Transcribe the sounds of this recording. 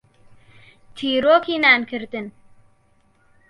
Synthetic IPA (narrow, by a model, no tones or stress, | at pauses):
t̪ʰiːɾoːkiːnaːnkʰɨɾt̪ɨn